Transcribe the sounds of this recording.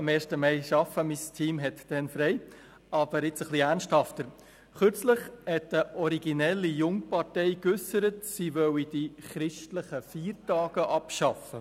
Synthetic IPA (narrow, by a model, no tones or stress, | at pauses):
ɑmeːɾʃtəmɛɪʃɑfəmistʰiːmɦɛtd̥ɛnfɾɛɪ | ɑb̥əɾɪt͡səχliæɾnʃthɑftəɾ | χʏɾt͡slɪχhɛtəʔɔɾiɡinɛlːijʊŋpɑɾtɛɪkʏsəɾətsiʋœwid̥iχɾɪʃtləχəfiːɾtɑːɡ̥əʔɑpʃɑfə